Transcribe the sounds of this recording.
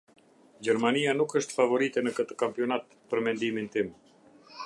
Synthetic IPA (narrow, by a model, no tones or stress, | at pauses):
d͡ʑɛɾmanianukəʃt̪favɔɾit̪ɛnəkət̪ə̥kampiɔnat̪ | pəɾmɛnd̪imint̪im